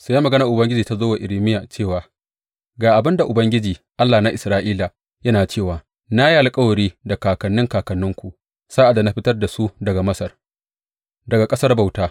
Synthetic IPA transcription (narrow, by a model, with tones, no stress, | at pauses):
sa˦ja˦mɐ˨ɡɐ˦na˨ʔʊ˨bɐ˦ŋɡʲɪ˦d͡ʒiː˨ta˦zoː˦wa˨ʔɪ˨lɪ˦mɪ˦ja˨t͡ʃeː˦˨waː˨ | ɡaː˨ʔa˨bɪ˦nda˨ʔʊ˨bɐ˦ŋɡʲɪ˦d͡ʒiː˨ʔa˦lːaː˨na˦ʔɪ˨sɾaː˦ʔiː˦la˨ | jɐ˦naː˨t͡ʃeː˦˨waː˨ | na˦ji˦ʔa˨lkʼɐ˦wɐ˨ɽiː˦da˨kaː˨kɐ˨nːɪ˦ŋkaː˨kɐ˨nːʊ˦ŋkʷu˨ʔ | saː˦ʔa˨da˨na˦ɸɪ˦tɐ˦rda˨su˦dɐ˨ɡa˨mɐ˦sɐ˨r | dɐ˨ɡa˨kʼɐ˦sɐ˦rba˨wtaː˦